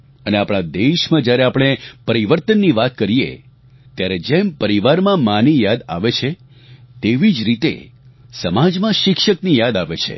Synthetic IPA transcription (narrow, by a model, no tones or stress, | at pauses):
əneapɽ̃ad̪eʃmãd͡ʒjaɾeapɽ̃epəɾiʋəɾt̪ənːiʋat̪̚kəɾijḛ | t̪jaɾed͡ʒempəɾiʋaɾmãmanijad̪a̰ʋet͡ʃʰe | t̪eʋid͡ʒɾit̪ḛsəmad͡ʒmãʃɪkʃəknijad̪aʋet͡ʃʰḛ